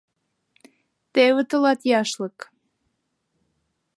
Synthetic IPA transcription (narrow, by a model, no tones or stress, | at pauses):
t̪ewət̪əlɑt̪jɑʃlɤk